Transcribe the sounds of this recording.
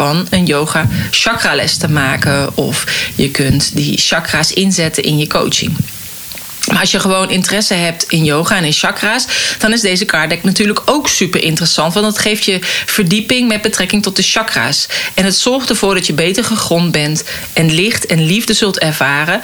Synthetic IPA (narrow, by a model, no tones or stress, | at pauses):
ɑnənjowχaːʃɑkraːlɛ̰stəmaːkəɔ̰fjəkɵntdə̰ʃɑkraːsɪnzɛtənʔɪnjəko̰wt͡ʃɪ̰ŋ | maːɹɑsjəχəʋownʔɪntərɛsəɦɛp̚tɪnjowχaːɛnɪnʃɑkraːsd̥ɑnɪzdejzəkʰaːɹdɛk̚natyːɹləkowksypəɹʔɪntərəsɑntʋɑndɑtχejftjəv̥əɹdipɪŋmɛd̚bətrɛkɪŋtɔt̚dəʃɑkra̰ːsɛnɦətsɔɹχtəɹv̥ʊːɹdɑtjəbejtəɹχəχrɔnbɛnt | ɛnlɪχtɛnlivdəzɵlˠtɛɹvaːrə